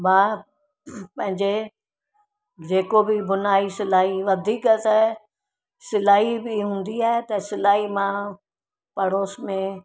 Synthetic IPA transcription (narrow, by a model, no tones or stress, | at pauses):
mãː | pɐ̃ɦɪ̃ɲd͡ʑe | d͡ʑeːkobɪbʊnaːisɪlaːɦiʋɐd̪ʱiːkt̪ɐ | sɪlaːɦibɪɦũːn̆d̪iaːɦet̪ɐsɪlaːɦimã | pɐɽoːsmẽ